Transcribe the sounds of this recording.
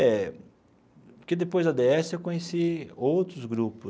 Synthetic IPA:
ɛ | kɪd̪epojzd̪ɐd̪eɛsɪewkõɲesiowt̪ɾʊzɡɾupʊ

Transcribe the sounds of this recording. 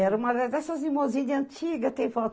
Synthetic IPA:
ɛɾɐumɐd̪ɐd̪ɛsɐzimoziɲɐɐ̃nt͡ʃ̪iɡɐt̪ɛ̃j̃fɔt̪

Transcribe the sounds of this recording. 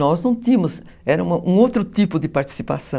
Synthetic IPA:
ɔznɐ̃w̃t̪ĩɐmʊz | ɛɾɐũmɐʔũowt̪ɾʊt̪ipʊd̪ɪpaɾt̪i̥sipasɐ̃

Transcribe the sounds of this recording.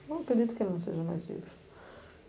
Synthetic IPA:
wɐkɾɨd̪it̪u̥kelnɐ̃w̃sḛʒɐma̰jzlḭvɾ

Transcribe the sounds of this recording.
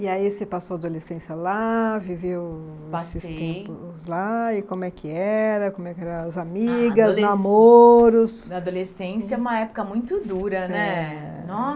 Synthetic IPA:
ɪaisepasoad̪olesẽsɪɐlavivew | sɪst̪ẽpʊzlaɪkõmʊɛkɪɛɾɐkõmʊɛkɪɛɾɐ̃w̃ɐzamiɡɐznamoɾʊsad̪olesẽsjɐũmɐɛpʊ̥kɐmũj̃t̪ʊd̪uɾɐnɛ | nɔ

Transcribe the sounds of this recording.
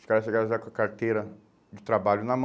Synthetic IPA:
ʊskaɾɐsʃeɡaɾɐʒakɐkaɾt̪ejɾɐ | d͡ʒɪt̪ɾabaʎʊnɐm

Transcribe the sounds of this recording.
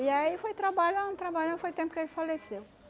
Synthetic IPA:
iaifojt̪ɾabaʎuãt̪ɾabaʎɐ̃fojt̪ẽmpʊkefalesew

